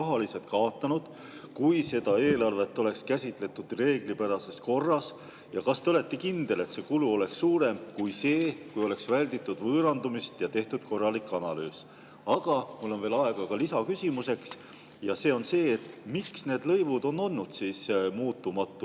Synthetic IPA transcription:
ɑɦɑlise̞lt̪̚kɑot̪ːˑɑnud̪̥ | kujse̞d̪̥ɑe̞ːlɑrve̞t̪ːˑo̞le̞kskæsʲit̪ˑle̞t̪ːˑud̪̥re̞ːɡ̥lipæɾɑse̞sko̞rːɑs | jɑkɑst̪eole̞t̪ːˑekind̪̥e̞le̞t̪se̞ːkuluo̞le̞ksːuːɾe̞mkujse̞ːkujo̞le̞ksvælʲd̪it̪ːˑud̪vɤːɾɑnd̪umist̪jɑt̪e̞ht̪ud̪̥ko̞rːɑlikːˑɑnɑlyːs | ɑɡ̥ɑmulːe̞nve̞ːlɑe̞ɡ̥ɑkɑlisɑkysʲimuse̞ks | jɑse̞ːo̞nse̞ːt̪ːmiksneːd̪̥lɤ̞jvud̪̥o̞nːo̞nːud̪̥siːsmuːt̪ːumɑt̪ːˑu

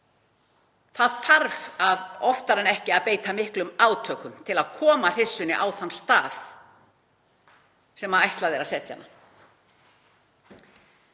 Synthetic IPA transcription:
θaðθaɾvaðɔft̪aɾɛnɛhcɪaðpeːjt̪amɪhklʏmaːwt̪ʰœːkʏmt̪ʰɪlaðkʰɔːmar̥ɪsːʏnɪʔawθanːst̪aːθ | sɛmaðajht̪laðɛɾasɛt̪ja̰nːa

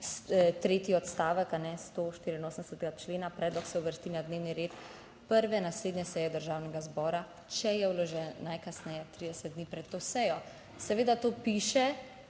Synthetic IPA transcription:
st̪ɾeːt̪iɔt̪st̪aːʋəkanɛst̪oʃt̪iːɾiːnoːsən̩d̪ɛsɛt̪ɛɡat͡ʃleːnapɾɛːd̪lɔksɛuʋəɾst̪inad̪neːwniɾeːt̪ | pəɾʋɛnasleːd̪njɛsɛjɛd̪əɾʒaːwnɛɡazbɔːɾa | t͡ʃɛjɛwlɔʒɛnnajkasnɛjɛt̪ɾiːd̪ɛsɛt̪̚d̪niːpɾɛt̪tːoːsɛjɔ | sɛʋeːd̪at̪oːpiːʃɛ

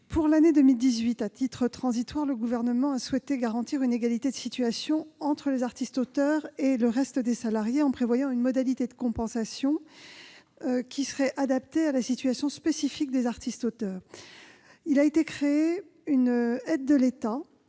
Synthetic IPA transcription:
pʰuʁlaned̪əmild̪izɥit̪at̪it̪χət̪χɑ̃zit̪waʁləɡuvɛʁnəmɑ̃aswɛt̪eɡaʁɑ̃t̪iʁyneɡalit̪ed̪əsit̪ɥasjɔ̃ɑ̃t̪χəlezaʁt̪ist̪ot̪œʁeləʁɛst̪əd̪esalaʁjeɑ̃pχevwajɑ̃ynmɔd̪alit̪ed̪əkɔ̃pɑ̃sasjɔ̃ | kʲʰisəʁɛʔad̪ap̚t̪ealasit̪ɥasjɔ̃spesifik̚d̪ezaʁt̪ist̪ot̪œːʁ | ilaet̪ekχee | ynɛd̪ːəlet̪a

